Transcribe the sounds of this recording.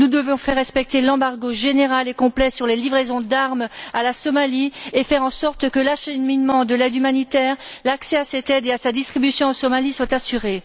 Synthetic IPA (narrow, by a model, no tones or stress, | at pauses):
nud̪əvɔ̃fɛʁːɛspɛk̚t̪elɑ̃baʁɡoʒeneʁalekɔ̃plɛsyʁlelivʁezɔ̃d̪aʁmalasɔmaliefɛʁɑ̃sɔʁt̪kəlɑ̃ʃanminmɑ̃d̪əlɛd̪ymanit̪ɛːʁ | laksɛasɛt̪ɛd̪easad̪ist̪χibysjɔ̃ɑ̃sɔmaliswat̪asyʁe